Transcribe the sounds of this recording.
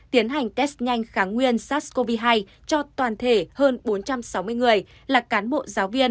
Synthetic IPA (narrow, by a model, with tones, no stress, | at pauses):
t̪i˨˦ənɦa˨˩jŋ̟t̪ɛ˦˥st̚ɲa˧jŋ̟xaː˧˩ŋwi˧ənsaː˦˥ko˧vi˧ɦa˧j | t͡ɕɔ˧t̪waː˨˩nt̪ʰe˧˩həː˧nɓo˨˦nt͡ɕa˧msa˨˦wmɨ˧əjŋɨ˨˩əj | laː˨˩kaː˨˦nɓo̰˧˨zaː˨˦wvi˧ən